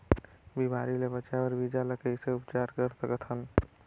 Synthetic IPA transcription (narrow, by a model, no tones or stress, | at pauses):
bimaɾilebət͡ʃabəɾbid͡ʒaləkəɪseupt͡ʃaɾkəɾsəkət̪ʰəl